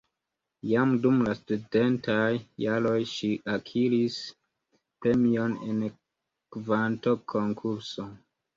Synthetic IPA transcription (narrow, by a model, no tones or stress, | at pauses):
jamdumlastude̞ntajːalo̞jʃiʔakʰiɾis | pɾe̞mio̞nḛn | kvanto̞kʰo̞ŋkʰuɾso̞